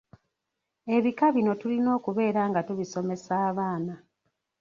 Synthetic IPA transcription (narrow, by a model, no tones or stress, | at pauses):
e̞βikaβino̞tulino̞ːkuβe̞ːɾaːŋɡatuβiso̞me̞saːβaːna